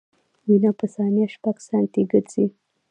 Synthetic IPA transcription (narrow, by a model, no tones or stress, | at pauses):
winapəsɑnjaʃpaɡsɑnt̪iɡəɾt͡si